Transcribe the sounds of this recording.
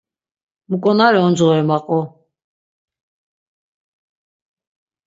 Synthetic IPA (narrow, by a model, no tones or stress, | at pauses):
mukʼɔnaɾɛɔnd͡zʁɔɛmaqʼɔ